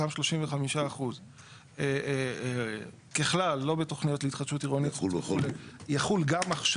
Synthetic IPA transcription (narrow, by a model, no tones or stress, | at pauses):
amʃlo̞ʃimveχamiʃaːχuz | e | keχlalːo̞beto̞χnijo̞tleit̪χatʃutiʁonitu | jaχulɡamaχʃ